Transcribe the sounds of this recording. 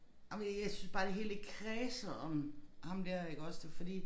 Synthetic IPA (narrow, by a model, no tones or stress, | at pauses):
nɑmnjaɪsynsb̥ɑ̈ːd̥e̝ɦe̝ːld̥eɡ̥̚kʰʁɛːsɐɒmhɑ̈md̥æɐ̰eɡ̥ɒ̽sd̥efɒ̽d̥ḭː